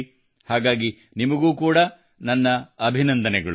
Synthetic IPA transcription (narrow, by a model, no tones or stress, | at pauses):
haːɡaːɡi | nimɐɡuːkuːɽɐ | nɐnːɐɐbʱinɐnd̪ɐnɛɡɐɭu